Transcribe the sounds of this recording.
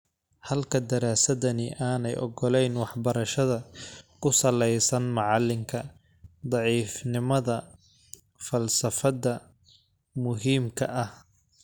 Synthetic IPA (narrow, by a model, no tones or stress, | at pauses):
hɐlkʰɐd̪ɐɾaːsɐðɐnɪʔaːnɛjɔ̰ɡɔlɛjnwɑħbɐɾɐʃɐðɐkʰʊsɐlɛjsɐnmɑʕɑlːɪŋkʰɐ | d̪ˤɑʕiːfnɪmɐðɐ | fɐlsɐfɐðɐ | mʊɦiːmkʰɐʔɐh